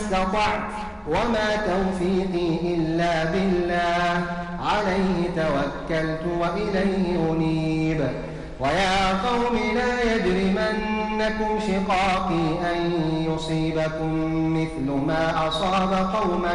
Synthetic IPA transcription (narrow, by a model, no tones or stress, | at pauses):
st̪ɑt̪ˤɑʕt̪ | wamaːt̪awfiːqiːʔɪlːaːbɪlːaːh | ʕalajhɪt̪awakːalt̪ʊwaʔɪlajhɪhʊniːb | wajaːqɑwmɪlaːjad̪ɾimanːakʊmʃɪqɑːqiːʔanjʊsˤiːbakʊmː | ɪθlʊmaːʔɑsˤɑːbaqɑwma